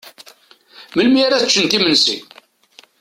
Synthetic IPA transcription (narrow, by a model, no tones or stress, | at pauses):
məlmiaɾæt͡ʃːənt̪imənsḭ